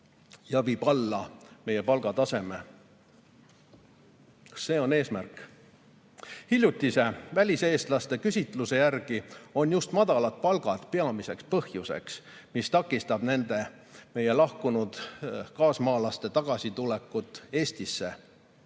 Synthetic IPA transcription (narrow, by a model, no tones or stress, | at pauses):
jɑviːb̥ɑlːɑme̞je̞pɑlɡ̥ɑt̪ɑse̞me | se̞ːo̞ne̞ːsmærk | hilʲjut̪ʲːˑise̞vælʲise̞ːst̪lɑst̪e̞kysʲit̪ˑluse̞jærɡ̥io̞njust̪mɑd̪̥ɑlɑt̪̚pɑlɡ̥ɑt̪pe̞ɑmise̞kspɤhjuse̞̰ks | mist̪ɑkːˑist̪ɑb̥ne̞nd̪̥e̞ | me̞je̞lɑhkunud̪̥kɑːsmɑːlɑst̪e̞t̪ɑɡ̥ɑsit̪ulekːˑut̪ːˑe̞ːst̪isːe̞̰